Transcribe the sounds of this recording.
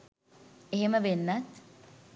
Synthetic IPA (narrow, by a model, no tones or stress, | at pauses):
eɦeməʋenːat̪